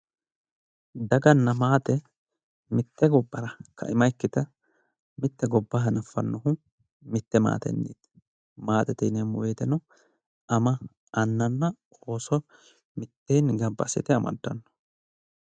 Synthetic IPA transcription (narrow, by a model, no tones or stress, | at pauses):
d̪ɐɡɐnːɐmaːt̪ɛ | mɪt̪ːɛɡɔbːɐɾɐkʰɐ̰ɪmɐjkːɪt̪ɐ | mɪt̪ːɛɡɔbːɐɦɐnɐfːɐ̰nːɔhʊ | mɪt̪ːɛma̰ːt̪ɛ̰nːḭːt̪ | maːt̪ɛt̪inemʊweːt̪ɛnɔ | ɐmɐ | ʔɐnːɐnːɐ | oːsɔ | mɪt̪ːeːnɡɐbːɐ̰sɪt̪ɛɐmɐ̰d̪ːɐnːɔ̥